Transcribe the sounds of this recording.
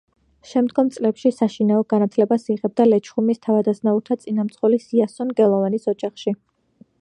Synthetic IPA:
ʃɛmd̪ɡɔmt̪sʼlɛpʃisaʃinaɔɡanat̪ʰlɛbasiʁɛb̚d̪alɛt͡ʃʰχumist̪ʰavad̪asnauɾt̪ʰat̪sʼinamt̪sʼχʼɔlisiasɔnɡɛlˠɔvanisɔd͡ʒaχʃi

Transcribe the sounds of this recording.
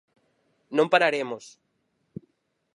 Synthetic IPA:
nõmpaɾaɾemos

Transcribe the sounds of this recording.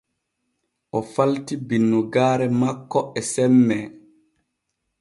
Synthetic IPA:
ʔɔfaltibinːuɡaːɾɛmakːɔɛsɛmːɛ

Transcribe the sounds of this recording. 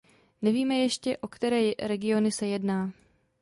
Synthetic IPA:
nɛviːmɛjɛʃcɛʔo̞kt̪ɛɾɛːɾɛɡɪo̞nɪsɛjɛdnaː

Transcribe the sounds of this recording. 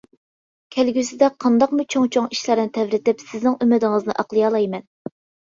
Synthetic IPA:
kʲʰælɡʲysɪd̪ɛqʰɑnd̪ɑqmʊt͡ʃʰoŋt͡ʃʰoŋiʃlæɾnɪt̪ʰɛvɾɪt̪ɪpsɪznɪŋymɪd̪ɪŋɨznɨ̰ʔɑqlˠɨjɑlˠɑjmɛn

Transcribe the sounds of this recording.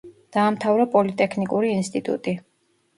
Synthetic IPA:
d̪̥aːmt̪ʰavɾɔpʼɔlit̪ʼɛkʰnikʼuɾiːnst̪ʼit̪ʼṵt̪ʼi

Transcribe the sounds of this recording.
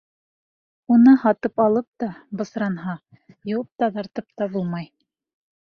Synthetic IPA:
unɤhɑt̪ɤpɑlˠɤp̚t̪ɑbɤ̆sɾɑnɦɑ | jŏwɤp̚t̪ɑðɑɾt̪ɤp̚t̪ɑbulˠmɑj

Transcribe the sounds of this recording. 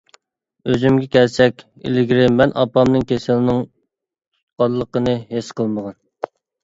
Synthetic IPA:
øzymɡʲɛkʲʰɛlsɛkʲ | ɪ̰lɪɡʲɾɪmːɛnʔɑ̰pɑmnɨŋkʲʰesɪlɪnɪŋ | tʰut̪̚qɑlˠːəqənɨhesqʰəlˠməʁɑn

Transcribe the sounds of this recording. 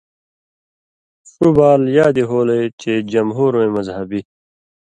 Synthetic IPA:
subaːljaːd̪iɦoːlet͡ɕed͡ʑɐmɦuːɾoemɐzɦɐbi

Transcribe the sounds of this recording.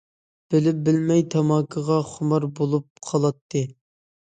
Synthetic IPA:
b̥ɪlɪp̚bɪlmɛjt̪ʰɑmɑːkʰːəʁɑχʊmɑɾbolˠup̚qʰɑlˠɑt̪ʰːɨ

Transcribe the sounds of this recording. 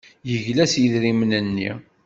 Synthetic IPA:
jəʝlæsiðɾimnənːḭ

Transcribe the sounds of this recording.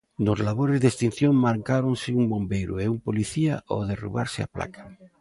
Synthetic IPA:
nozlaβ̞oɾezðest̪in̟θjoŋmaɾkaɾonsɪumbõmbejɾueumpoliθiaʔoðerṵβ̞a̰ɾsɪa̰pla̰kḁ

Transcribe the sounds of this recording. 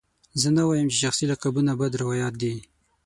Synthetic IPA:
zənawɑjəmt͡ʃeʃaxsilakabunabad̪ɾɪwɑjɑt̪̚d̪i

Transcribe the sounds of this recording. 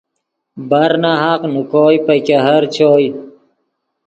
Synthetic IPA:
bɐɾnaɦaqnukoːjpɐjkeɦɐɾt͡ɕʰoːj

